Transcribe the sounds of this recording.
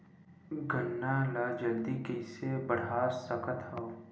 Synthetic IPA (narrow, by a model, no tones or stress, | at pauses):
ɡənːalaːd͡ʒəld̪ikeɪsebəɽ̤aːsəkət̪hɐ